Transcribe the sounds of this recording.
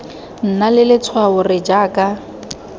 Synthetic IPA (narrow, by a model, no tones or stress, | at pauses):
n̩nalɪlɪt͡sʰwaʊrɪd͡ʒaːkʼa